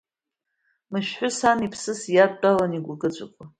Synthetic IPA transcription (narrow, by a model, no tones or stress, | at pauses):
mɨʃħʷʊsanipʰsɨsjadːʼalaniɡʷaɡʼɨt͡ɕʷʼa̰kʷʼa